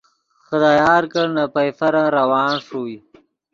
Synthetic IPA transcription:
xəd̪aːjɑːɾkəɽnapajfaɾaɾawɑːnʂui

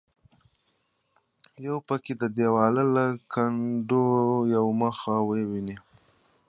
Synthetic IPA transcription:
jawpəked̪əd̪ewɑlalakaɳɖojawməxawəwini

